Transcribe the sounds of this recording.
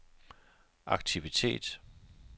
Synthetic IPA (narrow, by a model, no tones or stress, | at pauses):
ʔɑ̈ɡ̥̚t͡sʰiʋit͡sʰe̝̰ːd̥